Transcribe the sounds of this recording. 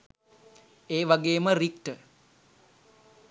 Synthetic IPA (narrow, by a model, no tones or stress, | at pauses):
eːʋaɡeːmərik̚ʈə